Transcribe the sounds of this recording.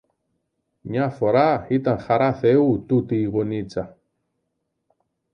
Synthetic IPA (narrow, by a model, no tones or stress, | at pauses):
ɲãfoɾahit̪anxaɾaθeut̪ut̪iɣonit͡sa